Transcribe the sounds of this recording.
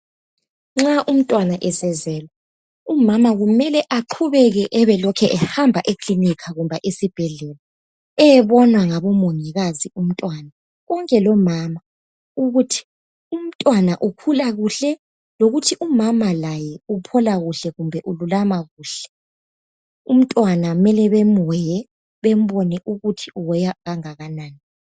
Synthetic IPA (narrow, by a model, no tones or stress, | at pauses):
ŋ͡ǁaʔum̩tʼwanaʔɛsɛzɛːla | umamaɣumɛlɛʔaǃʰuβɛɣɛʔɛβɛlɔkʰɛʔɛhambʱaʔekʰlinikʰaɣumbʱaʔesib̥ʱɛɮɛla | ɛɛβɔnwaŋaβɔmoŋiɣazium̩tʼwana | ɣɔŋkʼɛlɔmama | uɣutʰi̥ | um̩tʼwanaʔukʰulaɣuɬɛ | loɣutʰiʔumamalajɛupʰɔlaɣuɬɛɣumbʱɛʔululamaɣuːɬɛ̥ | um̩tʼwanamɛlɛβemɛjɛ | βem̩βɔnɛʔuɣutʰiuwɛjaɣaŋaɣanaːni